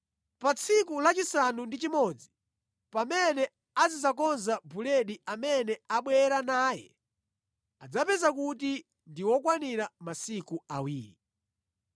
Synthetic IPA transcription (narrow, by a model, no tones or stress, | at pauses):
pat͡sʰikulat͡ʃisanundit͡ʃimɔd͡zi | pamɛnɛ | azizakɔnzabulɛɗiamɛnɛaɓwɛɾanaːjɛ̰ | ad͡zapɛzakuti | ndiwɔkwaniɾamasikuawiːɾi